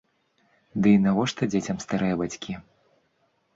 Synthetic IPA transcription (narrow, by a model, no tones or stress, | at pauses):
d̪ɨinavɔʂt̪ɐd͡zʲet͡sʲɐmst̪aɾɨjɐbat͡sʲkʲi